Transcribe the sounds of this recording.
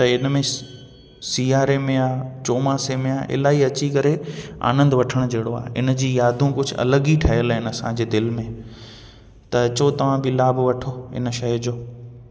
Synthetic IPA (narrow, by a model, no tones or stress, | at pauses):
t̪ɐɪnmẽ | siːaːɾemẽaːt͡ɕoːmaːsemẽaːʔɪ̰laːɦiɐt͡ɕikɐɾea̰ːnə̃nd̪ʋɐʈʰəɽ̃d͡ʑeːɽoa̰ːɦɪ̰n̆d͡ʑiːjaːd̪ʱũkʊd͡ʑʱʊ̆ɐ̰ləɡiʈʰɐɦəlɦɪnɐsãd͡ʑeːd̪ɪlmẽ | t̪ɐɐt͡ɕot̪ɐʋ̤ãbɪlaːbʋɐʈʰoːɪ̰nʃɐjd͡ʑoː